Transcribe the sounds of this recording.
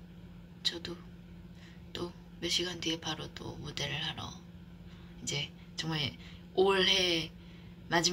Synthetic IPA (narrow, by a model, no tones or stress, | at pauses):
t͡ɕʌdo | t͈o | meɕʰiɡandiepaɾot͈o̰mode̞ɾɯɭhaɾʌ̰ | id͡ʑe̞ | t͡ɕʌŋmae | oɭɦe̞ | mad͡ʑi